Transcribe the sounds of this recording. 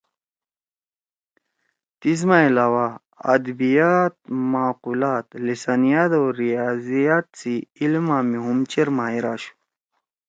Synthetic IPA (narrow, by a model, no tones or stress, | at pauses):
t̪iz̬mailaːwa | ɐ̰d̪bijat̪̚maːqulaːt̪lisanijat̪oɾijazijat̪̚t͡siilmãːmiɦumt͡ɕeɾmaːiɾaːɕu̥